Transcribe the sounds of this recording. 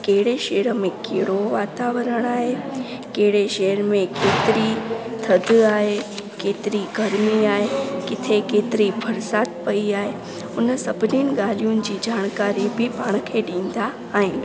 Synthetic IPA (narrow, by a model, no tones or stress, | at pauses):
keɦɪɽeʃeːɾə̆mẽkeɦɽoʋaːt̪aːʋəɾəɽ̃aːɦe | keɦɪɽeʃeːəɾmẽkeːt̪ɪɾit̪ʰɐd̪ʱaːɦekeːt̪ɪɾiɡɐɾmiaːɦekɪt̪ʰekeːt̪ɪɾibʱɐɾsaːt̪pɐiaːɦe | ʊnsɐbʱɪninɪ̆ɠaːl̤ijʊnɪ̆d͡ʑiːd͡ʑaːɽ̃kaːɾibʱɪpaːɽ̃kʰeɗĩːn̆d̪aː | ɦɪnɪ̆